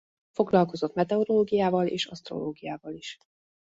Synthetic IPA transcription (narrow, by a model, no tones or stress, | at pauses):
fo̞ɡlɒlko̞zo̞t̪mɛt̪ɛoɾoːɡijaːvɒleːʃɒst̪ro̞̰loːɡijaːvɒliʃ